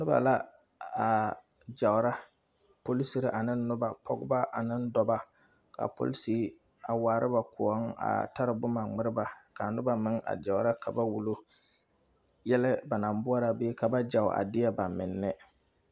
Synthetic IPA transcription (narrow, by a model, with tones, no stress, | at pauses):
nʊ˦ba̰˨la˦ | a˨ | d͡ʒa˨ʊ˨ɾa˦ | po˦li˦si˨˦ɾɪ˦ʔa˨nɪ˦nːʊ˦ba˨pʰɔ˦ɡʊ˦ba˦ʔa˨nɪ˦ndɔ˨ba˦ | ka̰˨po̰˦li˦si˦ | a˨waː˨ɾʔɪ˦ba˨kʊ˨ɔ˦ŋa̰˨ta˦ɾɪ˨bʊ˦ma˨ŋ͡mɪ˦ɾɪ˦ba˨ka˨nʊ˦ba˨mɪ˦ŋa̰˨d͡ʒa˨ʊ˨ɾa˦ka˨ba˦wu˨lo˦ | jɛ˦lɪ˦ba˨na˨mbʊ˦a˦ɾa˨beː˦ka˨ba˦d͡ʒa˨ʊ̰˨ʔa̰˨dɪ˦ɛ˦ba˨mɪ˨nːɪ˦